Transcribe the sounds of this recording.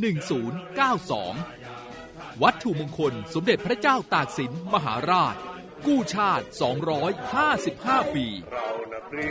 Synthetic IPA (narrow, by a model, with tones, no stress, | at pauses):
nɯ˨˩ŋsuː˩˦nkaː˥˩wsɔ̰ː˩˦ŋ | wa˦˥t̪ʰːu˨˩moː˧ŋkʰo˧nso˩˦mde˨˩t̪̚pʰɾa˦˥t͡ɕaː˥˩wt̪aː˨˩k̚si˩˦nma˧ɦa̰ː˩˦ɾaː˥˩t̪̚ | kuː˥˩t͡ɕʰaː˥˩t̪̚sɔ̰ː˩˦ŋɾɔː˦˥jhaː˥˩si˨˩p̚haː˥˩piː˧